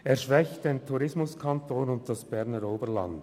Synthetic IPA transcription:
eːɐʃvɛçtd̥eːntʰuɾɪsmʊskʰɑntoːnʊnt̚d̥ɑsb̥ɛʁnəɾoːbəɾlɑ̰nd

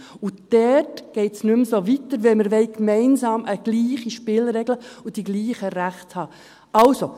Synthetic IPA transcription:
ud̥ɛtɡ̥ɛɪtsnʉmsovit̪əɾʋɛməɾʋɛɪkmɛɪnsɑːmʔəɡ̥liːχiʃpɪlɾɛɡləud̥iɡliːχəɾæχthɑː | ʔɑlso

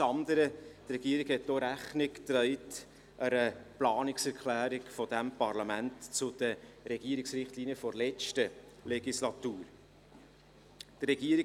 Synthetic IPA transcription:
ɑnd̪əɾətrɛɡ̥iːəɾiɡhɛt̚doɾæχnɪkt̪ɾɛɪt | ʔəɾəplɑːnɪksɛɾkʰlæːɾɪkfɔd̥æmpɑɾlɑmæntt͡sʊd̪̥əɾɛɡ̥iːəɾɪksɾɪχtliːnijəfɔɾlɛt͡ʃtə | lɛɡislɑt̪uːɾ | d̥ɾɛɡ̥iːəɾi

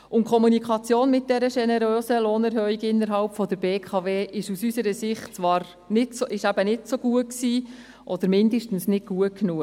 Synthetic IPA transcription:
ʊntkʰɔmunikʰɑt͡sjoːnmɪt̚d̥ɛɾəʃɛnɛɾøːsəloːnɛɾɦœiɡɪnːəɾɦɑlpfɔd̪əɾbeːkʰɑveːʔɪʃusysəɾəsɪχtt͡sʋɑːɾ | nɪtsoʔɪʃæbənɪtsoɡ̥uəksiː | ʔɔd̥̪əɾmɪnd̪əʃtn̩snɪt̚ɡ̥uət̚knuə

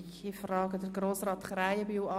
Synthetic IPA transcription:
ifrɑːɡədəɾɡroːsrɑːt̪χraɪəbywɑ

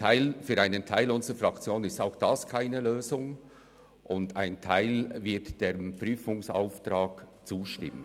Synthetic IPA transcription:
aɪlfyːɾaɪnəntʰaɪlʊnzəfʁɑkt͡sjoːnɪstaʊxd̥ɑskʰaɪnəløːzʊŋ | ʔʊndaɪntʰaɪlvɪɐtd̥eːpɾyːfʊŋsa̰ʊftɾaːkt͡suːʃtɪ̰mə̰n

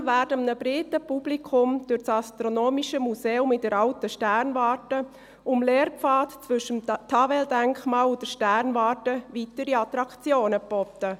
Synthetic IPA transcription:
væːɾdəmnəbɾɪtəpub̥likʰʊmd̥ʊɾt͡sɑstɾonoːmiʃəmuseːʊmɪtdɛɾɑltəʃtæɾnvɑːtə | ʊmleːɾpp͡fɑːtt͡svʏʃəmtʰɑvɛldæŋkmɑːlʊd̥əʃtæɾnvɑːtəvitəɾiɑt̪ɾɑkt͡sjoːnəbɔt̪ə

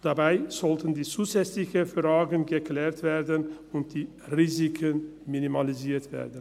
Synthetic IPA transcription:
d̥abaɪz̥ɔltən̩diːt͡suːzɛt͡slɪçəfʁaːɡənɡəkl̥ɛːɐtv̥eːɐdən | ʊnt̚d̥iː | ʁiːzɪkʰənminimaliziːɐtv̥ḛːɐdən̩

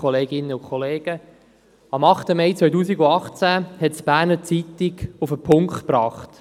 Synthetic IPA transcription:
ɔleːɡɪnːəʊkʰχɔleːɡ̥ə | ɑmɑχtəmɛjt͡sʋœɥt̬uːsiɡuɑχt͡sæhɛtsb̥æːɾnət͡sitiɡufəpʰʊŋktpɾɑːχt

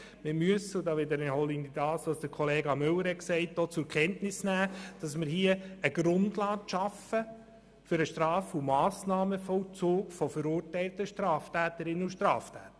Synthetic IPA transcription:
mɪmyəsʊdɑːʋɪd̪əɾɪnhɔlinidɑːsɑsd̥əɾkʰɔleːɡɑmʏwəɾhɛksɛɪt̚d̥oːt͡sʊkʰɛntnɪsnæːd̥ɑsmɪɾhiəəɡɾʊndlɑːkʃɑfə | fʏɾəʃtrɑːfumɑːsnɑːməfɔwt͡soːkfɔfəɾuːɾtɛɪltəʃtɾɑːftæːtəɾɪnːəuʃtɾɑːftʰæːt̪ə

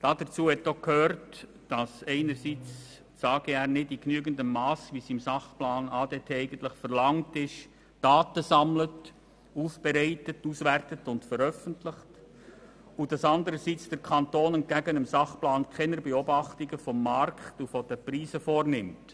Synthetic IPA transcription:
d̥ɑd̥ət͡suːhɛtːokʰhøːɾt | d̥ɑsɛɪnəɾsiːt͡s | sɑːɡ̥əæːɾnɪddiknyəɡəndəmmɑːsʋisimsɑχplɑːnɑːdetʰeːɛɪɡən̩tlɪχfəɾlɑŋtɪʃ | d̥ɑːtəsɑmlət | uːfb̥ɛɾɛɪtətuːsvæɾtətʊntfəɾœfəntlɪχt | ud̥ɑsɑndəɾəsit͡sd̥ɛɾkʰɑntoːnənt̚ɡ̥æɡənəmsɑχplɑːnkʰχɛnəɾbɛobɑχtiɡəfɔmːɑrkχtufɔd̥əpɾiːzəfoːɾnɪmt

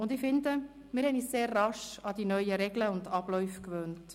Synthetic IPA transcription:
ʊndɪfɪndə | mɪːɾhɛniːsseːrːɑʃɑdinœʏjəɾɛɡləʊndɑb̥lɔʏfkvøːnt

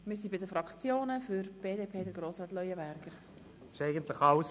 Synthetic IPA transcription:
mɪːɾsibɪdəfɾɑkt͡sjoːnəfʏɾb̥eːdeːpʰeːdəɾɡɾoːsɾɑːt̪lœʏəbæɾɡ̥əɾ | ɪʃɛɪɡəntlɪxɑws

